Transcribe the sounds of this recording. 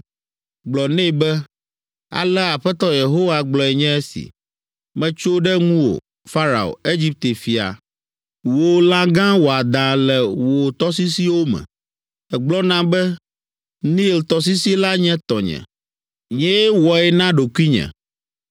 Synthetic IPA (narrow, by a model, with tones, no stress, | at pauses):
ɡ͡blɔ˨nɛ̃˦˨bɛ˦ | a̰˨lɛ˦a˨ɸɛ˦t̪ɔ˦je˨ɦo˦wa˨ɡ͡blɔ˨ɛ˨ɲɛ̃˦ɛ˦sḭ˨ | mɛ̃˦t͡ʃo˦ɖɛ˦ŋũ˦wo̰˨ | fa˦ɾa̰˨o̰˨e˦d͡ʑi˦p̚t̪e˨fi˨a̰˨ | wo˨lã˦ɡã˦wo˨a˨d̪ã˨lɛ˨wo˨t̪ɔ˦s̬i˦si˦wo˦mɛ̰̃˨ | ɛ˨ɡ͡blɔ˦nã˦bɛ˦ | nĩ˦˨lt̪ɔ˨s̬i˦si˦la˦ɲɛ̃˦t̪ɔ˨ɲɛ̰̃˨ | ɲɛ̃˦jɛ˦wɔ˨ɛ˦nã˦ɖo˨ku˦i˦ɲɛ̰̃˨